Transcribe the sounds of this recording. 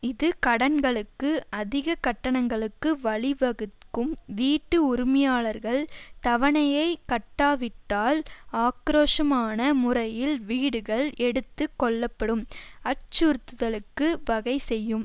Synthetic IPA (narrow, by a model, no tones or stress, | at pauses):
ɪðɯkɐɽɐnɡɐɭɯkːɯɐðɪɣɐkɐʈːɐɳɐŋɡɐɭɯkːɯʋɐɭɪʋɐɣɯkːɯmʋiːʈːɯʊɾʊmɪjaːɭɐɾɣɐɭt̪ɐʋɐɳɐjɐɪkɐʈːaːʋɪʈːaːlaːkɾoːʂɐmaːnɐmʊrɐjɪlʋiːɽɯɣɐɭɛɽɯt̪ːɯkːɔɭːɐpːɐɽɯmɐt͡ʃːuɾt̪ːɯðɐlɯkːɯʋɐɣɐɪsɛjːɯm